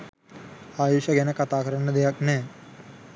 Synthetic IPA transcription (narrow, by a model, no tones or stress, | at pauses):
aːjuːʃɐɡɛnəkɐt̪aːkɐɾɐɳəd̪ejaknɛː